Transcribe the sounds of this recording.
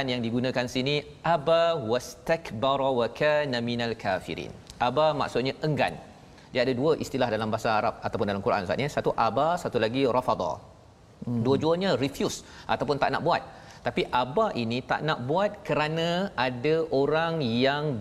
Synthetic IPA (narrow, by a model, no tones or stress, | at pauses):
anjaŋdiɡunãkansini | ʔabawast̪akbaɾˤwakaːnaminalkʰaːfḭɾḭːnʔabama̰ʔsʊt̪̚ɲãʔəŋɡa̰n | diaadaduəʔist̪ilahdalambaɦasaaɾap̚at̪awp̬ʊndalamkuɾʔa̰nsaba̰t̪ɲasat̪uʔabasat̪ulaɡirɑfad̪ˤɑ̰ | duəd͡ʒuaɲãrifjusʔa̰t̪awpʊnt̪a̰ʔna̰ʔbuat̪̚ː | apiʔabaʔinit̪a̰ʔnaʔbuat̪̚kəɾanə̃ʔadaʔoɾaŋjaŋ